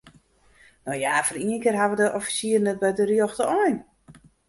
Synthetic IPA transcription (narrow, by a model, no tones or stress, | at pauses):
nojafɔriənkɪrɦaʋədəʔɔfi̥siərnɛt̚bɛjdərjɔxtəɔjn